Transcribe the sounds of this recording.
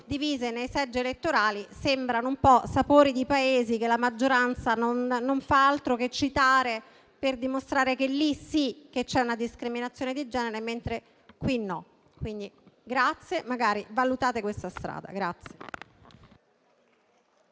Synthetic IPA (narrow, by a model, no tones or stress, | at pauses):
d̪iviːzenejsɛd͡ʒːeelet̪ːoɾaːlisembɾanoumpɔsapoːɾid̪ipaeːzikelamad͡ʒːoɾant̪sanonːoɱfaalt̪ɾoket͡ʃːit̪aːɾe | perd̪imost̪ɾaːɾekelːisik̟ːet͡ʃːɛunad̪iskɾiminat̪sːjoned̪id͡ʒɛːneɾement̪ɾe | kwinːɔ | kwind̪iɡɾat̪sːjemaɡaːɾivalut̪aːt̪ekwest̪ast̪ɾa̰ːd̪a̰ɡɾat̪sje